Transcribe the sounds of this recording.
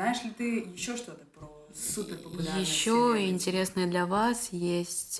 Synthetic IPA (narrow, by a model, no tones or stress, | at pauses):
najɪʂlʲɪt̪ɨjɪɕːoʂt̪o̞t̪əpɾo | supʲɪrpəʊlʲjɪɕːoɪnʲtʲɪɾʲe̞snəjəd̪lʲɐvasjesʲtʲ